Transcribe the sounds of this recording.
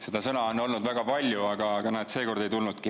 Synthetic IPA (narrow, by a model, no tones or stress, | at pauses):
se̞d̪ɑsɤnɑono̞lnud̪̥væɡ̥ɑpɑlʲjuɑɡ̥ɑɡ̥ɑnæːd̪̥se̞ːko̞rd̪e̞jt̪ulnud̪̥̚ki